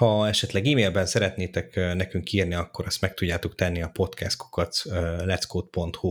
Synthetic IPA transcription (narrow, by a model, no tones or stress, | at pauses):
hɒɛʃɛt̪lɛɡiːmeːlbɛnsɛɾɛt̪neːt̪ɛknɛkyŋkiːrniɒkːo̞ɾɒst̪mɛk̚t̪uɟːaːt̪okt̪ɛnːiɒpo̞t̪kʰɛst̪u̥kɒt̪ølɛt̪skoːt̪̚po̞nt̪hu